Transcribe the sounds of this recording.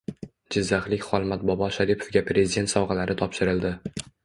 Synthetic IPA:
d͡ʒɪzːaχlˠɪkʲχɒlˠmat̪̚bɒbɒʃaɾipʰo̥fɡʲapɾe̞zɪd̪ʲe̞nt̪sɒwʁalaɾɪt̪ʰɒpʃɪɾɪld̪ɪ

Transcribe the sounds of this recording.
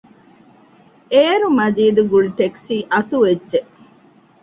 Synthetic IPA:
eːɾumɐd͡ʒiːd̪uɡuɭʈ̪eksiːʔɐt̪uʋedʒeʔ

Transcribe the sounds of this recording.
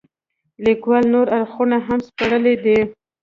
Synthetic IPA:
likwalnoɾaɾxunaɦamspaɽəled̪i

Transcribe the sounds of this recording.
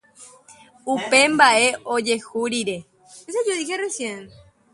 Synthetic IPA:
upe̞mbaeʔod͡ʒe̞xuɾiɾe | es̬ad͡ʒoðixeresjen

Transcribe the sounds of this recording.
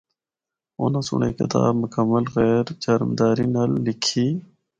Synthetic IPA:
o̰ːnasʊ̰ɳḛːkɪ̰t̪a̰ːbmʊkəmːəlɣɛːɾd͡ʑɐɾmd̪aːɾinɐlːikʰiː

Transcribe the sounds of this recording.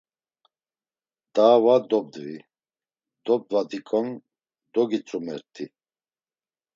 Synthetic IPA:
d̪̥aːvad̪ɔb̚d̪vḭ | d̪ɔb̚d̪vad̪ikʼɔn | d̪ɔɡit͡sʼumɛ̰ɾt̪ʼʰi

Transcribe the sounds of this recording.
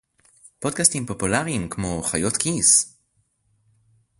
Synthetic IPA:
pod̪̚kastimpo̞pulaʁimkmo̞χajo̞t̪kʰis

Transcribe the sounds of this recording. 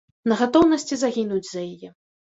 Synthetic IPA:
nɐɣat̪ɔwnɐsʲt͡sʲizaɣʲinud͡zʲzɐjajɛ

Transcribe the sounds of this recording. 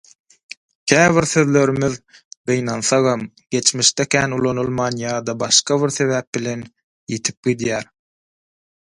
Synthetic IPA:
kʲʰæːβiɾθøðlø̞ɾymið | ɢ̥ɯjnɑnθɑʁɑm | ɡ̥e̞t͡ʃmiʃt̪ekʲʰæːnulˠonulˠmɑːnjɑːd̪ɑbɑʃqɑβiɾθe̞βæːp̚bile̞n | jet̪ʰi̥p̚ɡ̥id̪jæːɾ

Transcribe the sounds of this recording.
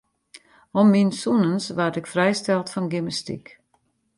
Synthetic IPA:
ɔmːinsunənsʋartɪkfrɛjstɛlˠtfɔnɡiməstḭk

